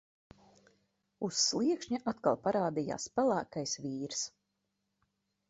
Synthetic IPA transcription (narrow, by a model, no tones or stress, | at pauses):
usːlˠiɛkʃɲaʔat̪kalˠpaɾaːd̪ija̰ːspælˠæːkajsviːɾs